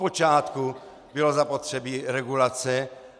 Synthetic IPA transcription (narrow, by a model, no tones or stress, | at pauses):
pot͡ʃaːt̪ku | bɪlozapot̪r̥ɛbiːɾɛɡulat͡sɛ